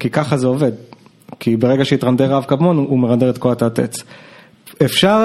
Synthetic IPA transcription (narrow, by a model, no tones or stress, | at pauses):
kikaχazeove̞d̪ | kibeʁeɡaʃeitʁand̪eʁavkabmo̞numeʁand̪eʁet̪koat̪at̪ḛt͡s | efʃaʁ